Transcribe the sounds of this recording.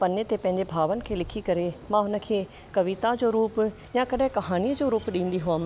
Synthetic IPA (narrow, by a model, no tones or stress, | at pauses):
pɐnjət̪epɐ̃ɦɪ̃ɲ̆d͡ʑebʱaːʋənɪ̆kʰeːlɪkʰikɐɾemãɦʊnə̆kʰeː | kɐʋit̪ad͡ʑoːɾuːp | jãkɐɗɪ̃kɐɦaːniəd͡ʑoːɾuːpɗĩːnd̪iɦʊəm